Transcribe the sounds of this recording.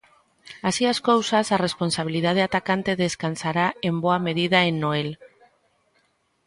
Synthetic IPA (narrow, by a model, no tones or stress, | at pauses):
asiaskowsasarespo̞nsaβ̞ilið̞að̞eat̪akant̪eðeskansaɾaemboameð̞iðaenːoel